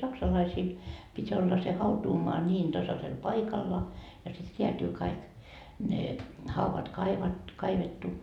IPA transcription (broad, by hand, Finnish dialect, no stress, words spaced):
sɑksɑlɑisiːl pitʲ olːɑ se hɑutuːmoɑ nʲiːn tɑsɑsel pɑikɑlːɑ jɑ sit reætyː kɑik ne hɑuʋɑt kɑiʋɑt kɑiʋetːu